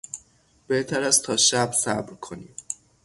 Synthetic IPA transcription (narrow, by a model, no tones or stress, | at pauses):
b̥eht̪ʰæɾæst̪ʰɒːʃæbsæbɾkʰo̞niːm